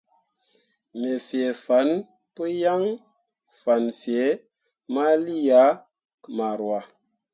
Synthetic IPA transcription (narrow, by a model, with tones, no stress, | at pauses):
me˨fi˨e˨fa˨˦n | pə˦ja˦ŋ | fa˨nfi˨e˨˦ | ma˦li˦ja˨˦ | kma˨ɾwa˨